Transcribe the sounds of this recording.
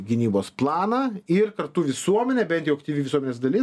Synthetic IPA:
ɡʲɪnʲiːboːsplˠɑːnɑːɪrkɐɾt̪uʋʲɪsuɔmʲɛnʲɛːbʲɛnt̪ʲjɛʊɐkt̪ʲiːʋʲiʋʲɪsuɔmʲenʲeːsd̪ɐlʲɪ

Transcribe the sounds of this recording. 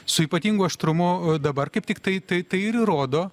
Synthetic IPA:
sʊiːpɐt̪ʲiːŋɡʊɐʃt̪ɾʊmʊd̪ɐbɐrkɐɪpt̪ʲɪkt̪ɐɪt̪ɐɪt̪ɐɪɪɾiɾoːd̪oː

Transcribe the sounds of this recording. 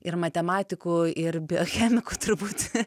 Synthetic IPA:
ɪɾmɐt̪ʲɛmɑːt̪ʲɪkuːɪɾbʲɪoxʲɛːmʲɪkuːt̪ʊɾbuːt̪

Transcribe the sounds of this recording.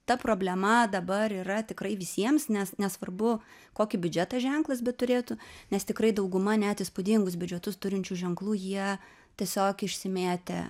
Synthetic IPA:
t̪ɐpɾoːbʲlʲɛmɐd̪ɐbɐɾiːɾɐt̪ʲɪkɾɐɪʋʲɪsʲiɛmsnʲɛsnʲɛsʋɐrbʊ | koːkʲɪbʲʊd͡ʒʲɛt̪ɑʒʲɛŋklˠɐsbʲɛt̪t̪ːʊɾʲeːt̪ʊnʲɛst̪ʲɪkɾɐɪd̪ɐʊɡʊmɐnʲæt̪ɪspʊd̪ʲiːŋɡʊs̬bʲʊd͡ʒʲɛt̪ʊst̪ʊɾʲɪnʲt͡ʃʲuʒʲɛŋklˠuːjiɛ | t̪ʲiɛsʲoːkɪʃʲsʲɪmʲeːt̪ʲḛ

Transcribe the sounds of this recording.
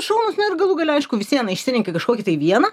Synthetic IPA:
ʃɐʊnʊsnʲɛɾɡɐlˠuɡɐlʲɐɪʃkʊʋʲɪsʲɪjɐnɐɪʃʲsʲɪnʲɪŋʲkʲɐkɐʃkoːkʲɪt̪ɐɪʋʲiɛnɐ

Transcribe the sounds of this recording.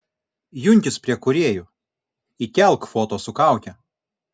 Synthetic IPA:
jʊnʲtʲɪspʲɾʲiɛkʊɾʲeːjʊ | ik̪ʲɛlˠˑkfoːt̪oːsʊkɑˑʊk̪ʲɛ

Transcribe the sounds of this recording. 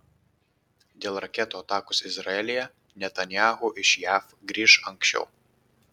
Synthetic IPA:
d̪ʲeːlˠɾɐkʲɛt̪oːɐt̪ɑːkʊsɪzɾɐɛlʲɪjɛ | nʲɛt̪ɐnʲjaːɣuʔɪʃjæːf | ɡɾʲiːʃɐŋksʲt͡ʃʲɛ̰ʊ

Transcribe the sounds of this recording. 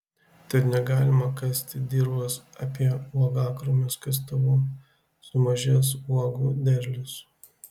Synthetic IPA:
t̪ɐt̪nʲɛɡɑːlʲɪmɐkɑsʲt̪ʲɪd̪ʲiːɾbɐsɐpʲiɛuɔɡɑːkɾʊmʲʊskɐs̬t̪ɐʋu | sʊmɐʒʲiɛs̬uɔɡud̪ʲɛɾʲlʲʊs

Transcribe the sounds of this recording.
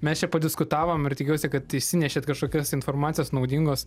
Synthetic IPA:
mʲɛst͡ʃʲɛpɐdʲɪskʊt̪ɑːʋoːmɪrt̪ʲɪkʲɛʊsʲɪkɐt̪ɪʃʲsʲɪnʲɛʃʲeːt̪kɐʃkoːkʲɛsɪnformɑːt̪sʲɪjoːsnɐʊd̪ʲɪŋɡoːs

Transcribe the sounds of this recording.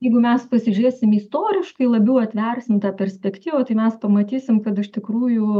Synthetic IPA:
jɛɪɡʊmʲɛspɐsʲɪʒʲʊɾʲeːsʲɪmist̪oːɾʲɪʃkɐɪlˠɐbʲɛʊɐt̪ʲʋʲɛrʲsʲɪmt̪ɑːpʲɛɾʲsʲpʲɛkt̪ʲiːʋoːt̪ɐɪmʲɛspɐmɐt̪ʲiːsʲɪmkɐt̪ɪʃt̪ʲɪkɾuːjʊ

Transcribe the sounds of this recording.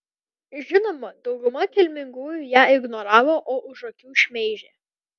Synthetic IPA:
ʒʲɪnoːmɐd̪ɒʊɡʊmɐkʲɛlʲmʲɪŋɡuːjujæːɪɡnɔɾɑːʋoːʔoːʔʊʃɐkʲuːʃʲmʲɛɪʒʲeː

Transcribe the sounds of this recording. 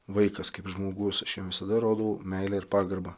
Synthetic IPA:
ʋɐɪkɐskɐɪpʒmoːɡʊsɐʃjɛʋʲɪsɐd̪ɐɾoːd̪ɐʋomʲɛɪlʲɛːɪɾpɑːɡɐɾbɐ

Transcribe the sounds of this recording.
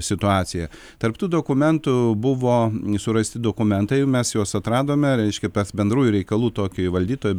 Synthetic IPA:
sʲɪt̪ʊɑːsʲɪjɛ | t̪ɐrpt̪uːd̪oːkʊmʲɛnt̪ʊbʊʋoːsʊɾɐsʲt̪ʲɪd̪oːkʊmʲɛnt̪ɐɪjɛmʲɛsjoːsɐt̪ɾɑːd̪oːmʲɛɾʲɛɪʃʲkʲɛpɐsbʲɛnd̪ɾuːjʊɾʲɛɪkɐlˠuːt̪oːkʲʊʋɐlʲd̪ʲiːt̪oːjʊ

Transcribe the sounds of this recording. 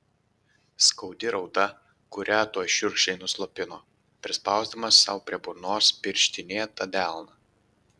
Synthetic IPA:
skɐʊd̪ʲɪɾɒʊd̪ɐ | kʊɾʲæːt̪uɔjʃʲʊɾkʃʲɛɪnʊslˠɔpʲɪnoː | pʲɾʲɪspɑˑʊzd̪ɐmɐsːɐʊpʲɾʲiɛbʊɾnoːspʲɪɾʲʃʲt̪ʲɪnʲeːt̪ɐd̪ʲæˑlˠnɐ

